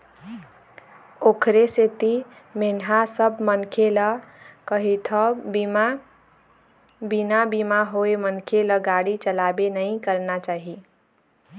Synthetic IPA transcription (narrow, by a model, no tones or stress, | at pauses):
okʰɾeset̪i | menɦasəbʱmənkʰeləkəɦit̪ʰəm | binabimaɦoemənkʰeləɡaɽit͡ʃəlabenəĩkəɾnat͡ʃaɦi